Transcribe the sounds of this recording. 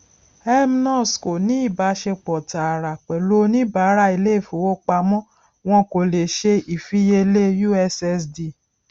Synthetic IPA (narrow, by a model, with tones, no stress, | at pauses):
ɛ˦mi˦nɔ̃˦˨sko˨nĩ˦i˦˨ba˨˧˦ʃe˧k͡pɔ˨ta˨ɾa˨k͡pɛ˨lo˨˦nĩ˦˨ba˨˦ɾa˦i˧le˦˨fo˨wo˦k͡pa˧mɔ̃˦ | w̃ɔ̃˧ko˨le˨ʃe˧i˨fi˨˦je˧le˦ju˦ɛ˧sɛ˧sdi˧˨